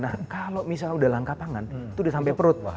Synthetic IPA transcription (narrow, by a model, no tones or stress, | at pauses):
nakalomis̬aludalaŋkapaŋant̪udisampɛpəɾʊt̪̚